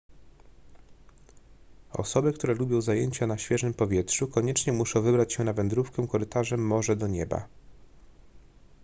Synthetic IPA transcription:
ɔ̰sɔbɘk̚t̪uɾɛlubʲjɔ̃w̃zajeɲt͡ɕanaɕfʲjɛʐɘmpɔvʲjɛtʂukɔɲɛt͡ʂɲɛmuʂɔ̃w̃vɘbɾat͡ɕɕɛnavɛnd̪ɾufkɛ̃kɔɾɘt̪aʐɛmːɔʐɛd̪ɔɲɛba̰

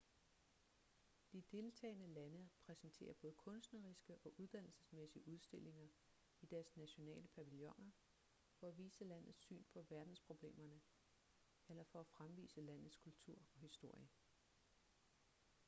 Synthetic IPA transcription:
d̥id̥e̝lt͡sʰɛ̰ːɪnəlænəpʰʁɛsnt͡sʰe̝̰ːɐb̥ɔ̽ːð̞ˠəkʰɔ̽nsd̥nəʁisɡ̥əʔɒ̽ʔuð̞ˠd̥æn̰l̩səsmesiəʔuð̞ˠsd̥e̝le̝ŋɐ | id̥æɐsnæɕo̝nɛ̰ːləpʰæʋiljɔ̽ŋɐ | fɒ̽æʋḭːsəlæn̰ð̩ˠsy̰ːnpʰɒ̽ʋæɐd̥n̩spʰʁo̝b̥le̝̰ːmɐnə | elɐfɒ̽æfʁamʋḭːsəlæn̰ð̩ˠskʰult͡sʰuɐ̰ɒ̽hisd̥o̝ɐ̰jə

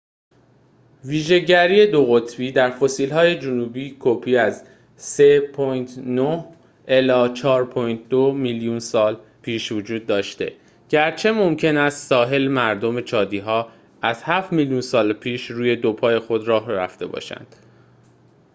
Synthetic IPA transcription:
viːʒe̞ɟæɾiːe̞d̪o̞ɣo̞t̪ʰviːd̪æɾfo̞siːlɦɒːje̞d͡ʒonuːbiːkʰopʰiːæz | sepʰɔːjt̪ʰnoh | ʔe̞lɒːt͡ʃʰɒːɾpʰɔːjnt̪̚ʰd̪omiljuːnsɒːlpʰiːʃvod͡ʒuːd̪̚ːɒːʃt̪e̞̰ | ɟ̥æɾt͡ʃʰe̞mo̞mcʰe̞næst̪sɒːɦe̞lmæɾd̪o̞me̞t͡ʃʰɒːd̪iːɦɒː | æz̥hæft̪miljuːnsɒːlpʰiːʃɾuːje̞d̪opʰɒːje̞xo̞d̪ɾɒːɦɾæ̰ft̪e̞bɒ̰ːʃæ̰nd̪̥

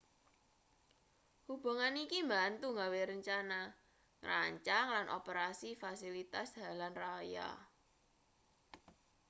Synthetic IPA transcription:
hub̥a̤ŋanikimbant̪uŋɡaweɾəɲt͡ʃana | ŋra̰ɲt͡ʃaŋlanʔo̰pəɾasifasilit̪asd̥a̤lanraja̰

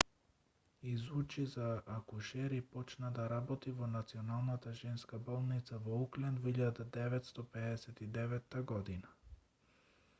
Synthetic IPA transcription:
izut͡ʃizaʔːkuʃɛɾipɔt͡ʃnad̪aɾabɔt̪ivɔnat̪siɔnalˠnat̪aʒɛnskabɔlˠnit̪savɔuklɛnvɔiʎad̪ad̪ɛvɛt̪st̪ɔpɛd̪ɛsɛt̪id̪ɛvɛt̪ːaɡɔd̪ina

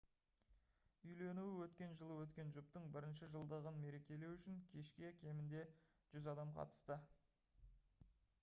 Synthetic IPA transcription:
ʏjle̞nuwɪwɵt̪kʲe̞nʒəlˠəwɵt̪kʲe̞nʒʊp̚t̪əɴbɪɾɪnʃɪʒəlˠd̪əʁənme̞ɾe̞kʲe̞le̞wʏʃɪŋkʲʰe̞ʃkʲɪækʲʰe̞mɪnd̪e̞ | ʒ̥ʏzɑd̪ɑmqʰɑ̰t̪ə̥st̪ə

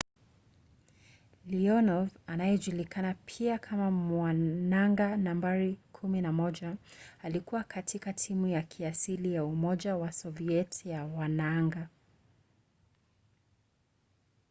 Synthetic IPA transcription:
liɔnɔvanajɛʄulikʰanapʰiakʰamamwanaŋɡanambaɾikʰuminamɔʄaalikuwakʰatʰikatʰimujakʰiasilijaumɔʄawasɔviɛtjawanaŋɡa

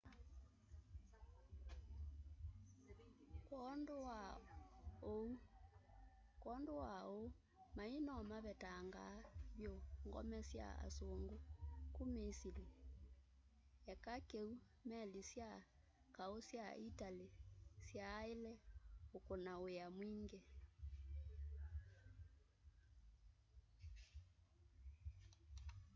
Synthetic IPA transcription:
knda | ou | kɔndowao | mainɔmaβɛtaŋɡaβjoŋɡɔ̰mɛsja̰a̰soŋɡokumisili | ɛkakeu | mɛlisja | kaosjaitalisjaelɛokonaojamwiŋɡɛ

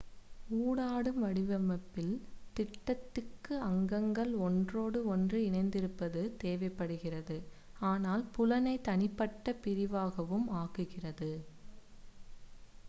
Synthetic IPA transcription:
uːɽaːɽɯmʋɐɽɪʋɐmɐpːɪlt̪ɪʈːɐt̪ːɯkːɯɐŋɡɐŋɡɐɭɔndroːɽɯɔndrɯɪnɐɪnd̪ɪɾɯpːɐðɯt̪eːʋɐɪpːɐɽɯɣɪrɐðɯ | aːnaːlpʊlɐnɐɪt̪ɐnɪpːɐʈːɐpɪɾɪʋaːɣɐʋɯmaːɣɯɣɪrɐðɯ

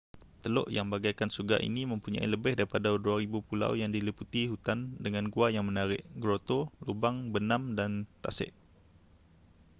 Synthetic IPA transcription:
t̪əlo̰ʔjaŋbaɡajkansuɡa̰ʔḭnimə̃mpuɲã̰ḭləbɪhdaɾipadaduaɾibupula̰wjaŋdiliput̪iɦut̪andəŋanɡuajaŋmə̃naɾɪ̰ʔɡɾot̪olubaŋbənãmdant̪asɪ̰ʔ

